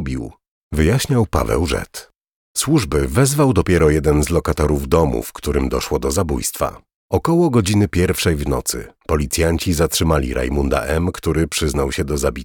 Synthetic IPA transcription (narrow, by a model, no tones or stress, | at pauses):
bʲiw | vɘjaɕɲawpa̰vɛ̰wʐɛ̰t̪ | swuʐbɘvɛzvawd̪ɔpʲjɛɾɔjɛd̪ɛnzlɔkat̪ɔɾuvd̪ɔmṵfkt̪uɾɘmd̪ɔʂwɔd̪ɔzabṵjst̪fa̰ | ɔkɔwɔɡɔd͡ʑinɘpʲjɛɾfʂɛjvnɔ̰t̪sɘ̰pɔlʲit̪sʲjaɲt͡ɕizatʂɘmalʲḭɾʔa̰jmund̪a̰ʔɛmkt̪uɾɘpʂɘznawɕɛd̪ɔzabʲit̪